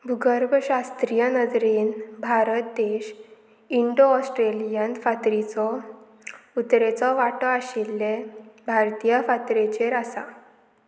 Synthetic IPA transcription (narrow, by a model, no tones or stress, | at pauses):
bʱuɡəɾbʱɕast̪ɾijənəd͡zɾeːnbʱaɾət̪̚d̪eɕ | iɳɖoɔsʈɾelijənfat̪ɾit͡sɔ | ut̪ɾet͡sɔʋaʈɔaɕilːebʱaɾt̪ijəfat̪ɾet͡ɕeɾasa̰